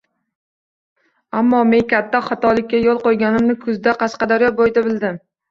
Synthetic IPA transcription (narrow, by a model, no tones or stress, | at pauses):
amːɒmeŋkʲʰat̪ːaχɒt̪ɒlɪkʲːajolˠqojɡʲanɪmnɪkʰʊzd̪aqʰɑsqɑd̪aɾjɒbojd̪abɪld̪ɪm